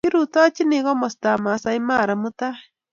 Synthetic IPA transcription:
ki˦ɾu˨twa˦t͡ʃi˦ne˨ɣɔ˦mɔ˨sta˨ma˨sa˨i˦ma˦˨ɾa˨mu˦ta˦

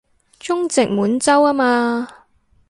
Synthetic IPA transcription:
t͡ʃʊ˥ŋt͡sɪ˨k̚muː˨˥nt͡sɐ˥waː˥maː˧

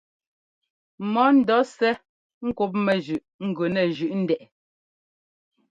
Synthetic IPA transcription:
mɔ˦n̩˨dɔ˨˦sɛ˦ | ŋ̩˦ku˦p̬̚mɛ˨ʒʉ˨ʔŋ̩˦˨ɡɥʉ˨nɛ˨ʒʉ˨ʔn̩˦dɛ˨ʔ

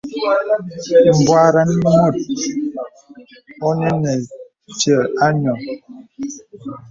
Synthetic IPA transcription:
m̩˨bwa˦ɾa˦n˦mu˦˨t̚ | ɔ˦nɛ˦nɛ˨ | t͡ʃjɛ˦˨a˦ɲɔ˨

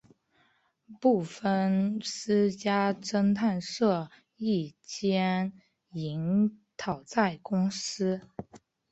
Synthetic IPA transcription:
pu˥˧fə˥˧nʂ̩˥t͡ɕja˥ʈ͡ʂə˥ŋt̪ʰa˥˧nʂɤ˥˧ | i˥˩t͡ɕjɛ˥n | i˧˥ŋt̪ʰɑ˨˩ʊt͡sa˥˩ɪkʊ˥ŋsɹ̩˥

